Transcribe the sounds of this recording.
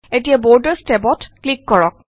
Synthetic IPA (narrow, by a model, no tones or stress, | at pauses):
etijabɔɹdəɹstepɔtklikːɔɹɔk̚